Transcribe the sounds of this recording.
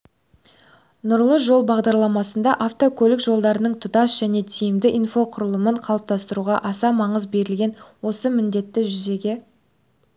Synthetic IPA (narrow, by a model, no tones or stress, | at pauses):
nʊɾlˠəʒo̞lˠbɑʁd̪ɑɾlˠɑmɑsənd̪ɑʔaft̪o̞kʰʲɵlʲɪkʒo̞lˠd̪ɑɾənəɴt̪ʰʊd̪ɑsʒ̥æne̞t̪ʰijɪmd̪ɪʔinfo̞qʰʊɾəlˠəməɴqʰɑlˠəp̚t̪ɑst̪əɾuʁɑʔɑsɑmɑɴəzbe̞ɾɪlɡʲe̞nwo̞səmɪnd̪e̞t̪ːɪʒʏze̞ɡʲe̞